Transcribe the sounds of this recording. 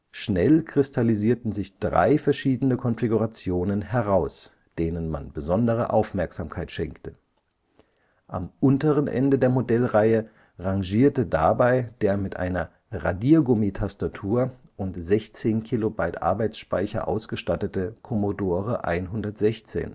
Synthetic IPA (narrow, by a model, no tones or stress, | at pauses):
ʃnɛlkʁ̥ɪstʰaliziːɐtn̩zɪçd̥ʁa̰ɪfɛɐʃiːdənəkʰɔnfiɡuʁat͡sjoːnənhɛʁaʊs | d̥eːnənma̰nbəzɔndəʁ̞ə̰ʔaʊfmɛɐkz̥aːmkʰaɪtʃɛŋktə | ʔa̰mʔʊntəʁənʔɛ̰ndədeːɐmodɛlʁaɪə | ʁaŋʒiːɐtəda̰baɪd̥eːɐmɪtʔa̰ɪnɐ | ʁadiɡʊmitʰastatʰuːɐ | ʔʊntz̥ɛçt͡seːnkʰilobaɪtʔa̰ɐbaɪt͡sʃpaɪçɐ̰ʔa̰ʊsɡ̥əʃtatətəkʰɔmodoːʁəʔa̰ɪnɦʊndɐtz̥ɛçt͡sḛːn